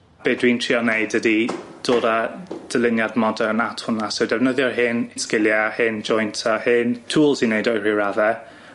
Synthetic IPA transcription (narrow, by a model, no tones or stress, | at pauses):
b̥eːdwiːntʰr̥iːɔneɨdədid̥oːdad̥əlˠɪnjadmɔdɛənatʰhʊnasɔdɛvnəðjɔɦɪnɪnskɪlˠjahɪnd͡ʒɔjntʰahɪntʰuːlˠsineɨdɔjr̥iɹavɛ